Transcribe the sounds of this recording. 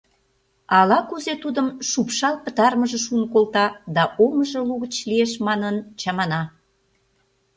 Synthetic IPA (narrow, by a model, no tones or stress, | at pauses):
ɑlɑkuzet̪ud̪əmʃupʃɑlpət̪ɑrməʒə̆ʃunkolt̪ɑd̪ɑʔoməʒəluɣət͡ɕlieʃmɑnənt͡ɕɑmɑnɑ